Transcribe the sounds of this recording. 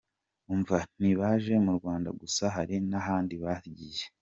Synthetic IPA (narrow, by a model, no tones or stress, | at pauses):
uɱvan̥iβaʒe̞muɾɡwaːnda̰ɡusaɦaɾinaɦaːndiβaɾɟiːje